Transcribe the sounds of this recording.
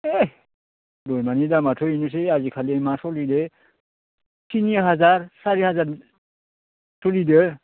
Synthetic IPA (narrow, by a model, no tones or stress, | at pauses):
e | dɔjmanidamatʰɔinus̬eazikʰalimasɔlide | tʰiniaɦazaɹsaɹihazaɹ | sʰɔlide